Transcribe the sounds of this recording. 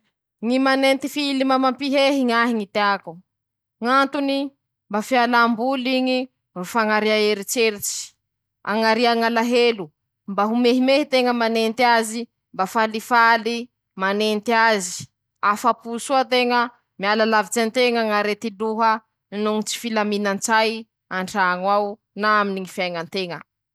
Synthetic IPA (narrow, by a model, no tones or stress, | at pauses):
ŋimanent̪ifiilimamampiɦeɦiŋaɦiŋit̪eaku | ŋant̪uni | mbafialambuliɲi | rufaŋaɾiaeɾit͡ʃeɾit͡ʃi̥ | a̰ŋaɾiaŋalaɦelu | mbaɦumeɦimehit̪eŋəmanent̪iazi | mbafalifali | manent̪iazi̥ | afapusuat̪eŋə | mialalavit͡sant̪eŋaŋaɾet̪iluɦə | nuŋit͡si̥filaminant͡saj | aɳɖ͡ʐaŋwaw | naaminiŋifajŋant̪eŋə